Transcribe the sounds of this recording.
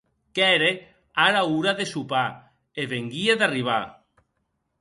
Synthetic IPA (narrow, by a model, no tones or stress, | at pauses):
kɛɾe | aɾauɾaðesupa | eβeŋɡieðariβ̞a